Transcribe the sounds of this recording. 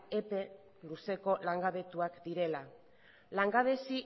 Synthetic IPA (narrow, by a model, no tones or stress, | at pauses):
epe̞ | luse̞ko̞laŋɡaβe̞t̪uakd̪iɾe̞la | laŋɡaβe̞si